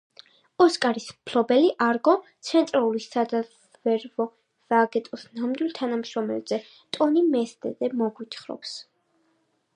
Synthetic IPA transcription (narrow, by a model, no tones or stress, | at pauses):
ɔskʼaɾismpʰlɔbɛliʔaɾɡɔt̪sʰɛnt̪ʼɾalulisad̪a | vɛɾvɔ | z̥aɡɛt̪ʼɔsnamd̪wilˠt̪ʰanamʃɾɔmɛ̰lzɛ | t̪ʼɔnimɛst̪ʼɛ̰d̪ɛmɔɡwit̪ʰχɾɔ̰ps